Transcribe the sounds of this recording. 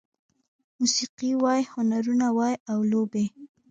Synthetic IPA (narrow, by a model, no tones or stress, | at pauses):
musiqiwɑjhʊnaɾunawɑjawlobe